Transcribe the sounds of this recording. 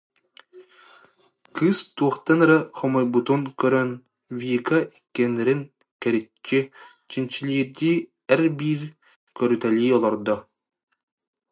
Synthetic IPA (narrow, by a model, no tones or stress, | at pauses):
kɯst̪uɔχt̪anɾɛχɔmɔjbut̪uŋkœɾœn | vikaikːɛnɛɾiŋ | kɛɾit͡ʃːi | t͡ɕint͡ɕilʲiːɾd̪iː | ɛɾbiːɾ | kœɾyt̪ɛlʲiːɔlˠɔɾd̪ɔ